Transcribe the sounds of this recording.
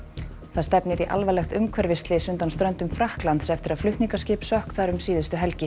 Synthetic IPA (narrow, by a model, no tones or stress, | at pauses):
θaðst̪ɛpnɪɾiʔa̰lvalɛxt̪ʏmkʰvɛɾvɪst̪lɪsʏnt̪anst̪ɾœnt̪ʏmfɾahklant̪sɛft̪ɪɾaðflʏht̪niŋkascɪːpsœhkθaɾʏmsiːðʏst̪ʏɦɛlcɪ